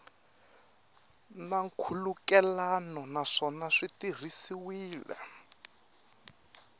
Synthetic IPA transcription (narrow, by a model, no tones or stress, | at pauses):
naŋkʰulukɛlanɔnaʂɔnaʂitir̤isiwiːlɛ̰